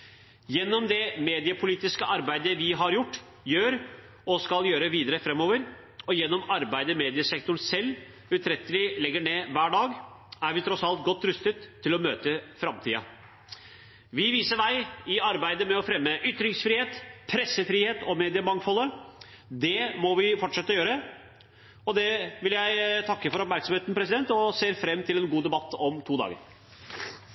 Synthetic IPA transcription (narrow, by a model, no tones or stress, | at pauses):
jɛnːɔmd̪ɛmeːd̪ɪəpʰʊliːt̪ɪskəʔɑɾbæɪd̪əʋɪɦɑɾjʊʈː | jøːɾ | ɔskɑljøːɾəʋiːd̪əɾəfɾɛmːoːʋəɾ | ɔjɛnːɔmɑɾbæɪd̪əmeːd̪ɪəsɛk̚t̪ʊɳsɛlː | ʉt̪ʰɾɛt̪ːəlɪlɛɡːəɳeːʋæːɖɑːɡ | æɾʋɪt̪ʰɾɔsɑlt̪̚ɡɔt̪ːɾʉst̪ət̪ʰːɪlɔmøːt̪əfɾɑmt̪ʰḭːɑ̰ | ʋɪʋiːsəʋæɪɪɑɾbæɪd̪əmɛɔfɾɛmːəʔʏt̪ːɾɪŋsfɾiːheːt̪pʰɾɛsːəfɾiːheːt̪ɔmeːd̪ɪəmɑŋfɔlːə | d̪ɛmɔʋɪfɔʈʂɛt̪ːəɔjøːɾə | ɔd̪ɛʋɪljæɪt̪ʰɑkːəfɔɾɔpmæɾksɔmheːt̪n̩pʰɾɛs̬ɪd̪ɛnt̪ɔseːɾfɾɛmːt̪ʰɪlɛnɡuːd̪ɛbɑt̪ːɔmt̪ʰuːd̪ɑ̰ːɡə̰ɾ